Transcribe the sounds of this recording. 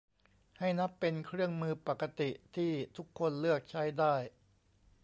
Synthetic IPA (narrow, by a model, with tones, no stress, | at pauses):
ha˥˩jna˦˥pːe˧nkʰɾɯ˥˩əŋmɯː˧pa˨˩kːa˧t̪i˨˩t̪ʰiː˥˩t̪ʰu˦˥kʰːo˧nlɯ˥˩ək̚t͡ɕʰa˦˥jdaː˥˩j